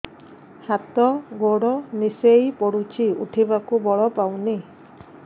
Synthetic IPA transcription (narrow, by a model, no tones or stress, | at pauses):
hat̪ɔɡoɽɔnisejpɔɽut͡ʃʰiṵʈʰibakubɔɭɔpawni